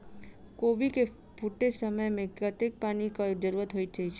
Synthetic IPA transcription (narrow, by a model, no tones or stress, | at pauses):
koʋike | fuʈːesəməjmẽkət̪ek̚panikəd͡ʒəɾuɾət̪ɦoit͡ʃʰet͡ʃʰ